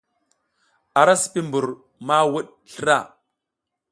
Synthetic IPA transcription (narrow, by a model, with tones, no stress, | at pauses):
a˨ɾa˦si̥˨pi˦mbu˨ɾ | ma˦wu˦ɗ | ɬə˦ɾa˦˨